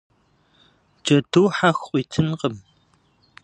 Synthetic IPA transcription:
d͡ʒʼɐduːħaxʼʷiːtʰɨnqəm

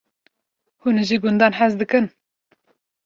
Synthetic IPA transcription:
hunʒiɡʊnd̪ɑːnħɛzd̪ɨkɨn

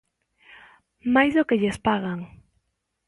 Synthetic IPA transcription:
majzðokeʎespaɣaŋ

